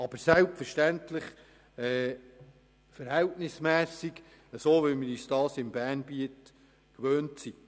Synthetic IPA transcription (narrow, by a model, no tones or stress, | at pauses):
ɑb̥əsɛlpfəɾʃtæntlɪχ | ɛː | fəɾhɛltnɪsmɛːsiɡ | əsoːʋɛmɪɾyːsd̥ɑːsɪmbæːnbiət | kʋøːntsi